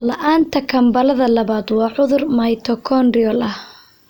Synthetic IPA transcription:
lɐʔaːnt̪ʰɐkʰɐmbɐlɐðɐlɐβaːd̪wɑːʕʊðʊrmɐjt̪ʰɔkʰɔnrɪɔlɐh

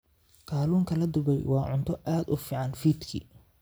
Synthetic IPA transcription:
kʰaːluːŋkʰɐlɐd̪ʊbɛjwɑːʕʊnt̪ʰɔʔaːd̪ʊfiːʕɑnfiːd̪kʰḭ

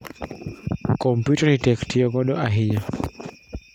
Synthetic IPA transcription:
kɔmpjutanitɛktiɔɡɔɗɔʔaɦiɲa

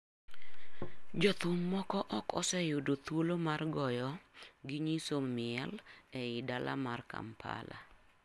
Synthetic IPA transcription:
d͡ʒɔt̪ʊmːɔkɔʔɔkɔsɛjʊdot̪wolomarɡɔjɔɡɪɲisomɪɛlɛɪdalʔa̰marka̰mpʰa̰la̰

